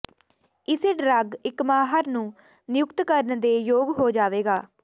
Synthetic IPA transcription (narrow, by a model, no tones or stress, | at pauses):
ɪseːɖɾəɡɪkmaːɦəɾnũː | nɪjʊkt̪kəɾənd̪eːjoːɡɦoːd͡ʒaːʋeːɡaː